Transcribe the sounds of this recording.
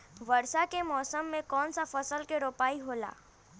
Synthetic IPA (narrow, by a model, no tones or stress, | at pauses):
ʋəɾsakemɔːsəmːẽkɔːnsafəsəlkeɾoːpaːiɦoːla̰ː